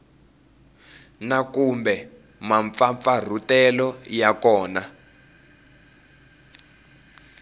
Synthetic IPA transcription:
nakumbɛ | maɱfaɱfar̤utɛlɔjakɔːna

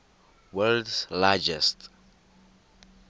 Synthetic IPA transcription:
wɛldslad͡ʒɛst

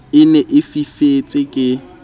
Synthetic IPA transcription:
ɪnɛʔɪfifet͡sʼɪkʼɪ

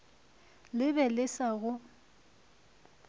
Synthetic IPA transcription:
lɪbɛlɪsaɣʊ

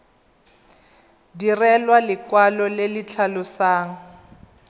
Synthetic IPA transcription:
dirɛlwalɪkwalɔlelɪt͡ɬʰalʊsaːŋ̩

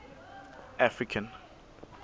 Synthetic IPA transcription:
afɹikʰãn

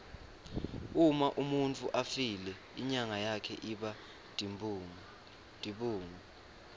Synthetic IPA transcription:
umaʔumunt͡fʰʼuʔafilɛ | iɲaŋajakʰɛʔiɓa | d̥ʱiɓuːŋu

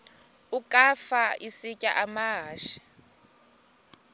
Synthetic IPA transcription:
ukʼafaisicʼaʔamaɦaːʃi̥

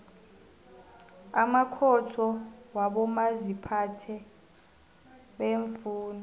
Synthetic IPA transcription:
amakʰɔtʰɔwaɓɔmazipʰatʰɛ | ɓeːɱfuːnɔ

